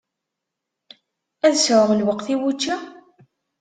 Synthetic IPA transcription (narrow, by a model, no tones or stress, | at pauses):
æðsəʕəʁəlwəqθiwut͡ʃːa